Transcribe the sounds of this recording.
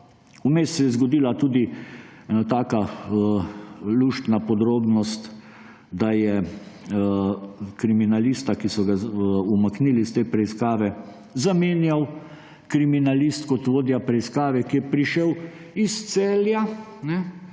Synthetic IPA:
umeːst̪sɛjɛzɡɔd̪iːlat̪uːd̪iɛnat̪aːka | luːʃt̪napɔd̪ɾoːbnɔst̪ | d̪ajɛ | kɾiminaliːst̪akisɔɡaumakniːlist̪eːpɾɛiskaːʋɛ | zameːnjaw | kɾiminalist̪kɔt̪ʋoːd̪japɾɛiskaːʋɛkijɛpɾiʃɛw | ist̪seːlja | nɛ

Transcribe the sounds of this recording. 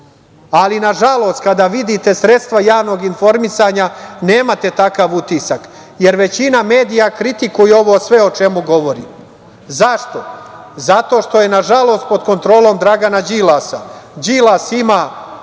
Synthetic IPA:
alinaʒalˠo̞st̪̚kad̪aʋid̪it̪e̞sɾe̞t̪st̪ʋajaːʋno̞ɡinfo̞ɾmisaɲane̞ːmat̪e̞t̪akaʋut̪isak | je̞ɾʋe̞t͡ɕiname̞ːd̪ijakɾit̪ikujeo̞ʋo̞sʋe̞ot͡ʃe̞muɡo̞ʋo̞ɾḭː | zaʃt̪o̞ | zat̪o̞ːʃt̪o̞je̞naʒalo̞ːst̪̚po̞d̪ko̞nt̪ɾo̞ːlo̞ːmd̪ɾaɡanad͡ʑilasad͡ʑilasimaː

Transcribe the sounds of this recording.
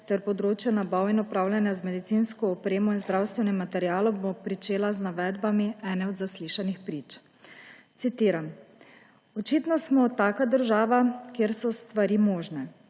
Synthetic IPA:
t̪ɛɾpɔd̪ɾoːt͡ʃjɔnabawinɔpɾaːwljanjazmɛd̪it̪sinskɔːpɾeːmɔinzd̪ɾawst̪ʋɛnɛmːat̪ɛɾjaːlɔbopɾit͡ʃeːlaznaʋɛːd̪bamiɛːnɛɔd̪zasliʃanixpɾit͡ʃ | t̪sit̪iːɾan | ɔt͡ʃit̪nɔsmɔt̪ːaːkad̪əɾʒaːʋakeɾsɔst̪ʋaɾiːmɔːʒnɛ

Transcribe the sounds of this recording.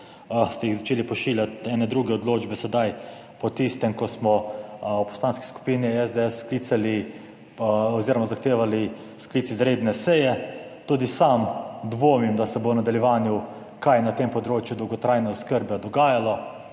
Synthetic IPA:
st̪ɛjixzat͡ʃeːlipɔʃiːljat̪ɛːnɛd̪ɾuːɡɛɔd̪loːd͡ʒbɛsɛd̪aj | pɔt̪ist̪ɛmkɔsmɔupɔ̥st̪aːnski̥sku̥piːniɛzd̪eɛsːkliːt̪sali | ɔziːɾɔmazaxt̪eːʋali | skliːt̪izɾeːd̪nɛsɛjɛ | t̪uːd̪isamd̪ʋoːmimd̪asɛbonad̪aljɛʋaːnju | kajnat̪empɔd̪ɾoːt͡ʃjud̪ɔwɡɔt̪ɾajnɛɔskəɾbɛd̪ɔɡaːjalɔ

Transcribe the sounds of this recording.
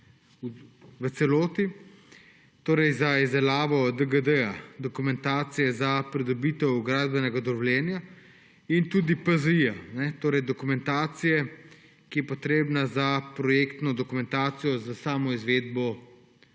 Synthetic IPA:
uʋət̪sɛloːt̪i | t̪oːɾɛjzaizd̪ɛlaːʋɔd̪əɡəd̪əjad̪ɔkumɛnt̪aːt̪sijɛzapɾid̪ɔbiːt̪ɛwɡɾaːd̪bɛnɛɡad̪ɔɔlʲjɛːnja | int̪uːd̪ipəzijanɛt̪oːɾɛjd̪ɔkumɛnt̪aːt̪sijɛ | kijɛpɔt̪ɾeːbnazapɾɔjeːkt̪nɔd̪ɔkumɛnt̪aːt̪sijɔzasaːmɔizʋeːd̪̚bɔ

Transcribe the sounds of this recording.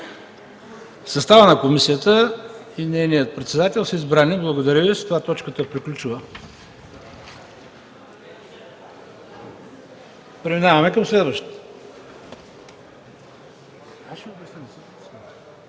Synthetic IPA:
sɐst̪avənɐkomisijət̪ə | inɛjnijət̪̚pɾɛt̪sɛd̪at̪ɛlˠsəizbɾaniblˠɐɡod̪ɐɾʲəvizɐ̥t̪ovat̪ɔt͡ʃkət̪əpɾiklʲut͡ʃuvə | pɾɛminavɐmɛkəmslɛd̪vəʃt̪ | aʃiobʲjɐsnʲnɛsə | sɛ

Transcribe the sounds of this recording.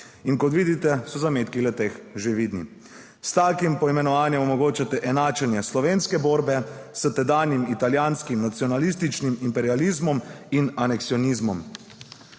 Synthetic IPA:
inkɔt̪ʋiːd̪it̪ɛsɔzameːt̪kilɛt̪exʒeʋid̪nḭ | st̪aːkimpɔimɛnɔʋaːnjɛmɔmɔɡoːt͡ʃat̪ɛʔɛnaːt͡ʃɛnjɛslɔʋeːnskɛboːɾbɛsət̪ɛd̪aːnimit̪aljanskimnat̪sjɔnalist̪it͡ʃnimimpɛɾializmɔminanɛksiɔnizmɔm

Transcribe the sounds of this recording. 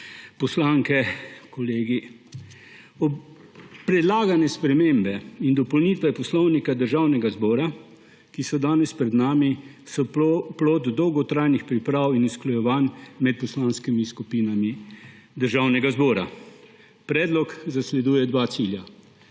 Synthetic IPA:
pɔslaŋkɛkɔleːɡi | ɔ | pːɾɛd̪laːɡanɛspɾɛmeːmbɛind̪ɔpɔwnit̪ʋɛpɔslɔwnikad̪əɾʒawnɛɡazbɔːɾa | kisɔd̪aːnɛspɾɛd̪naːmi | sɔploːt̪d̪ɔwɡɔt̪ɾaːjnixpɾipɾaːwinusklɔjɛʋanmɛt̪̚pɔslaːnskimiskupiːnami | d̪əɾʒaːwnɛɡazbɔːɾa̰ | pɾɛːd̪lɔkzaslɛd̪uːjɛd̪ʋaːt̪siːlja

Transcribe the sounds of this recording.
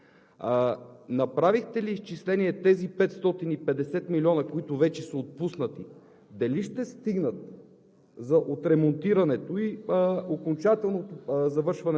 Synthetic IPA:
nɐpɾavixt̪ɛliːst͡ʃislɛniɛt̪ɛzipɛt̪st̪ɔt̪inipɛd̪ɛsɛt̪milʲiɔnɐkoit̪ʊvɛt͡ʃɛsɐot̪̚pusnət̪i | d̪ɐliʃt̪ɛst̪iɡnət̪̚ | zɐʔot̪ɾɛmont̪iɾɐnɛt̪oiokont͡ʃat̪ɛlˠnot̪ozɐvɤɾʃvɐnɛ

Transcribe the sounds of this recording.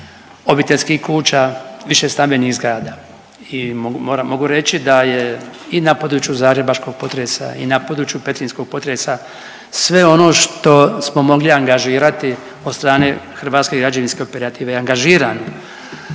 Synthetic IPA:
obit̪elʲskihkuːt͡ʃaʋiʃe̞st̪anbe̞niɣzɡɾaːd̪a | imomoːɾamo̞ɡuɾe̞t͡ʃid̪aje̞inapod̪ɾut͡ʃjuzaːɡɾe̞baʃko̞ɡ̥̚po̞t̪ɾesa̰ḭnapod̪ɾut͡ʃjupe̞t̪ɾinsko̞ɡ̚po̞t̪ɾesa | sʋe̞o̞no̞ːʃt̪o̞smo̞mo̞ɡliaŋɡaʒiːɾat̪i | od̪st̪ɾaːne̞xr̩ʋaːt̪ske̞ɡɾad͡ʒaʋinske̞opeɾat̪iːʋeaŋɡaʒiːɾaːno

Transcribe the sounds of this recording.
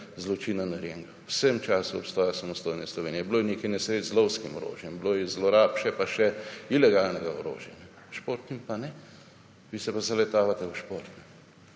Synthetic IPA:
zlɔt͡ʃiːnanaɾjeːŋɡawsəmt͡ʃaːsuɔ̰pst̪ɔːjasamɔst̪oːjnɛslɔʋeːnijɛbloːjɛneːkajnɛsɾet͡szlɔwskimɔɾo̰ːʒjɛmbloːjɛzlɔɾaːpʃɛpaʃɛilɛɡaːlnɛɡaoɾo̰ːʒjanɛ | ʃpoːɾt̪nimpanɛ | ʋiːsɛpazalɛt̪aːʋat̪ɛuʃpoːɾt̪nɛ

